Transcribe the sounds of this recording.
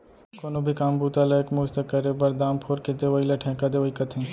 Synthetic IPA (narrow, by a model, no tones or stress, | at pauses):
koːnobʱikaːmbuːt̪aːlaekmuːd͡ʒt̪ɐkːɐɾebɐɾd̪aːmpʰoːɾket̪eʋəilɐʈʰɛ̃kad̪eʋɐikɐt̪ɦẽː